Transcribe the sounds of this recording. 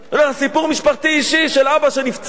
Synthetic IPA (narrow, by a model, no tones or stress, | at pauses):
olaχasipuʁmiʃpaχt̪iiʃiʃelabaʃe̞nift͡s